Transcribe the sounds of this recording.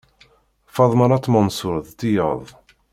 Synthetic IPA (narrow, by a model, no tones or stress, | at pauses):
fɑðˤmənɑt̪ːˤmənsʊɾðˤt̪ijə̰ðˤ